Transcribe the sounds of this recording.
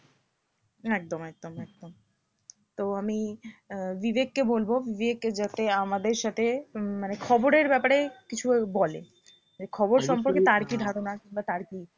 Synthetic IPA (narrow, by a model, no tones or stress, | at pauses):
ɛk̚d̪omɛk̚d̪omɛk̚d̪om | t̪oami | vibekːebolbobivekːed͡ʑat̪eamad̪eɾʃat̪ʰemanekʰɔboɾeɾbɛpaɾekit͡ɕʰubolḛ | d͡ʑekʰɔboɾʃɔmpoɾket̪aɾkid̪ʱaɾonakiŋbat̪aɾki